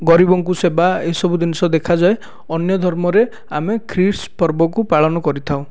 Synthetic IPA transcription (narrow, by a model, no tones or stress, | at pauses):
ɡɔɾibɔŋkusebaesɔbud̪inisɔd̪ekʰad͡ʒae | ɔnjɔd̪ʱɔɾmɔɾe | amekʰɾiɾspɔɾbɔkupaɭɔnɔkɔɾit̪ʰaw̃